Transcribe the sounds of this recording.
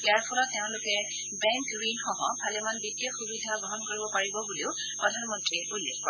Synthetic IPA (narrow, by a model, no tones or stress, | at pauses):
ijaɹpʰɔlɔteʊ̃lʊkɛ | bɛŋkɡɹinxɔɦɔ̃pʰalɛmanbitːiɔxubidʱaɡɹɔɦɔnkoɹibɔpaɹibɔbuleʊ | pɹɔdʱanmɔntɹiulːekːɔɹ